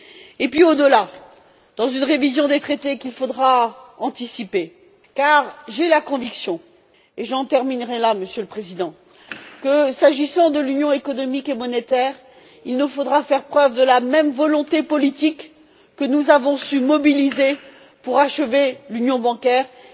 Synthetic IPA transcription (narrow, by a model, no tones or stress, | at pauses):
epɥiod̪əla | d̪̥ɑ̃zynʁevizjɔ̃d̪et̪χet̪ekʲilfod̪ʁaɑ̃t̪isipe | kaʁʒelakɔ̃viksjɔ̃ | eʒɑ̃t̪ɛʁminʁɛlaməsjøləpχezid̪ɑ̃ | kəsaʒisɑ̃d̪əlynjɔ̃ekɔnɔmikemɔnet̪ɛːʁ | ilnufod̪ʁafɛʁpχœvd̪əlamɛmvɔlɔ̃t̪epɔlit̪ikː | ənuzavɔ̃symɔbilize | puʁaʃəvelynjɔ̃bɑ̃kʲɛːʁ